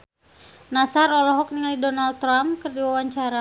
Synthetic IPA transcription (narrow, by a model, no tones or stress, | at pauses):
nasaɾɔlɔɦɔk̚niŋalidɔnald̪̚ɾamkərdiwawaɲt͡ʃaɾa